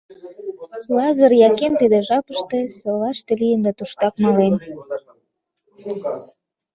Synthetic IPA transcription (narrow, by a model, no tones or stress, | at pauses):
lɑzəɾjɑkent̪id̪eʒɑpəʃt̪esɤlɑʃt̪elijənd̪ɑt̪uʃt̪ɑknɑlen